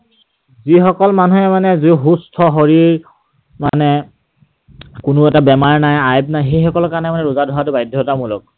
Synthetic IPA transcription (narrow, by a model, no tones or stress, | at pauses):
zixɔkɔlmanuɦɛmanɛziɦustʰɔɦoɹiɹ | manɛ | kʊnʊɛtabɛmaɹnajajb̚najɦejxɔkɔlkaɹnɛmanɛɹʊzadʱɔɦatʊbajdʱjɔtamulɔ̰k̚